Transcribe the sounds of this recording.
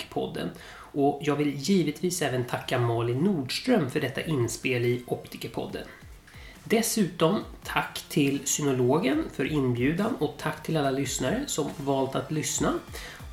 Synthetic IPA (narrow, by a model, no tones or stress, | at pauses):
kpʰɔ̰d̪ːə̰n | ʔɔjɑːɡvɪljiːvɪt̪viːsɛːvənt̪ʰakːamɑːlɪnːuːɖʂt̪ɾœmfœɖɛt̪ːa̰ʔɪnspeːlɪʔɔpt̪ʰɪkəpʰɔ̰d̪ːə̰n | d̪ɛsʉ̟ːt̪ɔmt̪ʰakːt̪ʰɪlsʏnʊloːɡənfœɾʔɪnbjʉ̟ːd̪anɔt̪ʰakːt̪ʰɪlalːalʏsnaɾəsɔmvɑːlt̪at̪lʏsna